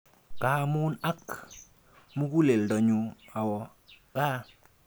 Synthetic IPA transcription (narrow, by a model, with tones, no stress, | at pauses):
kaː˨muː˦na˦k | mu˦ku˦le˨ldɔ˨ɲu˧a˨wɔ˨ | kaː˦